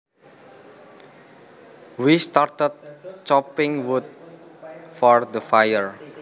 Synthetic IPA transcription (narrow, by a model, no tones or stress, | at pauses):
wist̪art̪ət̪̚t͡ʃɔpɪŋwud̪̚ | fɔrd̪əfajəɹ